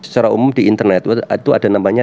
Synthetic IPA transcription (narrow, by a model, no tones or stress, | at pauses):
sə̥t͡ʃaɾaumʊmdiʔint̪ərnɛt̪t̪uad̥anamaɲa